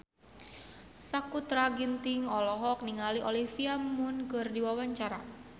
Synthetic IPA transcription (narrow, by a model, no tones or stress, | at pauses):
sakut̪ɾaɡint̪ɪŋɔlɔɦɔk̚niŋaliʔolifiamʊnɡərdiwawaɲt͡ʃaɾa